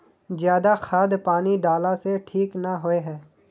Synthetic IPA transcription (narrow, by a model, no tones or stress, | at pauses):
zjaːd̪axʰaːd̪paːniɖaːlaseʈʰiːknaɦoeɦɛː